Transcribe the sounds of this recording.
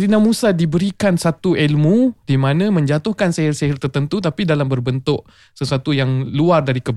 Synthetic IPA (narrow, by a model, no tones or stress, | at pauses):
ɾinamũsadibəɾikansat̪uʔɛlmũd̥imãnãmə̃ɲd͡ʒat̪ʊhkanseɦɪrseɦɪrt̪ərt̪ənt̪ut̪apidalambərbənt̪ʊʔ | səsuat̪ujaŋluardaɾikəb